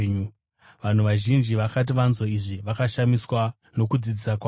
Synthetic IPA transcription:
ɲu | ʋan̤uʋaʒind͡ʒiʋakat̬iʋanzoiʐiʋakaʃamiswa | no̞kud͡zid͡zisakwa

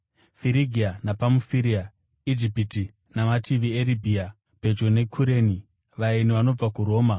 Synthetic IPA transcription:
fiɾiɡʱianapamufiɾia | id͡ʒipiti | namatʰiʋieɾibʱia | pe̞d͡ʒo̞ne̞kʰuɾeːni | ʋainiʋano̞b͡vakuɾo̞ːma

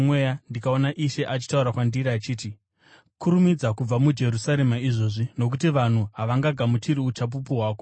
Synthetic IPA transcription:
mwejandikao̞naʔiʃe̞ʔat͡ʃi̥tauɾakwandiɾat͡ʃiːti | kuɾumid͡zakub͡vamud͡ʒe̞ɾusaɾe̞maiʐo̞ʐino̞k̬utiʋan̤uɦaʋaŋɡaɡʱamutiɾiut͡ʃap̬upuɦwaːko

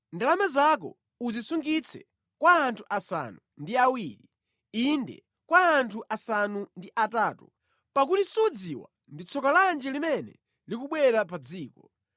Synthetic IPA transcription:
ndalamɛzak̬ɔ̰ | uzisuŋɡit͡sʰɛ̰ | kwaːntʰuʔasa̰nundiawiːɾi | indɛ̰ | kwaːntʰuʔasanundiʔatatu | pak̬utisud͡ziwa | ndit͡sʰɔkaland͡ʒɛlimɛnɛ̰ | likuɓwɛɾapad͡ziːkɔ

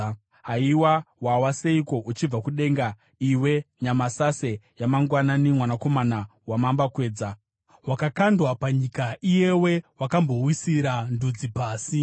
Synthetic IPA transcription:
ɦaiwawawaseiko̞ʔut͡ʃib͡vakuɗe̞ŋɡa | iwe̞ɲamasasejamaŋɡwananimwanako̞manawamambakwe̞ːd͡za | wakakandwapaɲikaije̞we̞wakambo̞wisiɾandud͡zipaːsi

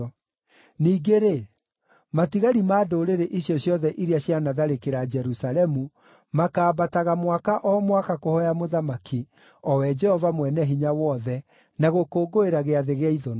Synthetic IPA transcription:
niːɡeɾe | matiɣaɾimaːdoɾeɾeʔiɕjɔɕjɔðɛʔiɾiaɕjanaðaɾekeɾad͡ʒɛɾusaɾɛmu | makaːbataɣamwakaʔɔmwakakohɔjamoðamaki | ɔwɛd͡ʒɛhɔvamwɛnɛɦiɲawɔðɛ | naɣokoːɡoeɾaɣeaðeɣeaiðɔn

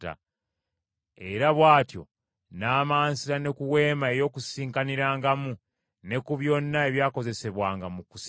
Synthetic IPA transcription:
ta̰ | e̞̰ɾaβwaːtjo̞̰ | naːmaːnsiɾane̞kuwe̞ːmae̞jo̞ːkusiːŋkaniɾaːŋɡamu | ne̞kuβjo̞ːnːae̞βjaːko̞ze̞se̞βwaːŋɡamukus

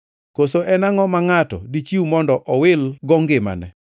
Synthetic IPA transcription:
kosoʔɛnaŋɔmaŋatɔ̰dit͡ʃiwumɔndɔʔɔwɪlɡɔŋɡɪma̰nɛ̰

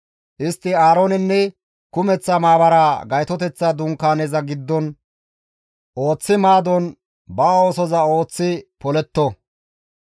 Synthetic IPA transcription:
ʔɪst̪ːɪaːɾoːnɛnːɛ | kʊmɛt͡sːɐmaːbɐɾaɡɐjt̪ɔt̪ɛt͡sːad̪ʊŋkːaːnezɐɡɪd̪ːɔn | ʔo̞ːt͡sːɪmaːd̪ɔn | baːoːsɔzɐo̞ːt͡sːɪpɔlɛt̪ːɔ

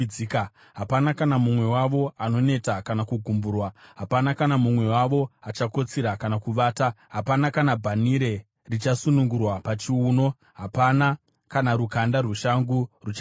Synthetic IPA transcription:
ika | ɦapanakanamumwe̞waʋo̞ano̞ne̞takanakuɡʱumbuːrwaɦapanakanamumwe̞waʋo̞at͡ʃako̞t͡siɾakanakuʋaːta | ɦapanakanabʱaniɾe̞ | rit͡ʃasunuŋɡurwapat͡ʃiuːno̞ | ɦapana | kanaɾukandaruʃaŋɡurut͡ʃa

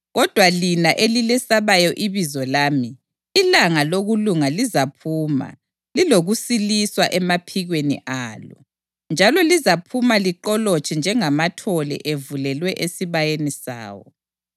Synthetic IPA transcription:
ɣɔd̥ʱwalinaʔelilɛsaβajɔʔiβizɔlaːmiː | laŋaloɣuluŋalizapʰuːma̰ | liloɣusiliswaʔɛmapʰiɣwenḭʔaːlɔ̰ | nd͡ʒʱalɔlizapʰumaliǃɔlɔt͡ʃʰʼɛnd͡ʒʱɛŋamatʰɔlɛ̰ʔevulɛlwɛʔesiβajenisa̰ːwɔ̰

